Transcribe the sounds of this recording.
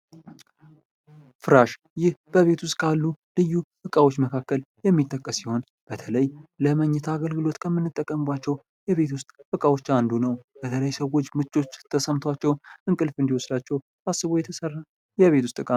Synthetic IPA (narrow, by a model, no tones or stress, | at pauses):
fɨɾaʃ | jɪhbəβe̞t̪ʰwʊst̪ʼkʰalːulɨjːuʔɨkʼawo̞t͡ʃːməkʰakːəljɛmːit̪ʼːəkʼːəsːiho̞n | b̥ət̪ʰələjləməɲːɛt̪ʰaːɡəlɡɨlo̞t̪kʰəmːɨnːɨt̪ʼːəkʼːəmɨbat͡ʃːɛw | jɛβe̞t̪wʊst̪ʼʔɨkʼawo̞t͡ʃːand̪unəwb̥ət̪ʰələjsəwo̞t͡ʃːmɨt͡ʃʼːo̞t͡ʃːt̪ʰəsəmt̪ʰwat͡ʃːɛwʔɨŋkʼɨlfɨnd̪iwɔsdat͡ʃːɛw | asːɨβojɛt̪ʰəsərːa | jɛβe̞t̪wʊst̪ʼɨkʼa